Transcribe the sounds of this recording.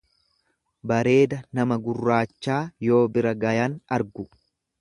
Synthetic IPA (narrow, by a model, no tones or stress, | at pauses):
bɐɾe̞ːd̪ɐnɐmɐɡʊrːaːt͡ʃːaːjo̞ːbɪɾɐɡɐjanɐɾɡʊ